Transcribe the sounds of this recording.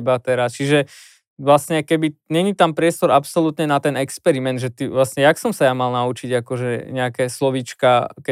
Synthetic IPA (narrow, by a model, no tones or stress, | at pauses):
bat̪ɛɾast͡ʃiʒɛ | ʋlasɲɛkɛbiɲɛɲit̪ampɾɪɛst̪ɔɾapsɔlut̪ɲɛnat̪ɛnɛkspɛɾimɛnd̪ʒɛt̪iʋlasɲɛjaksɔmsajamalnaut͡ʃiɟakɔʒɛɲɛakɛːslɔʋit͡ʃkakɛ